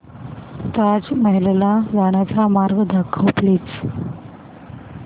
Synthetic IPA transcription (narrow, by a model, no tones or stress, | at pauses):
t̪ad͡zməɦilelaɡaɽ̃at͡samaɾɡəd̪ʱakʰːəwplit͡s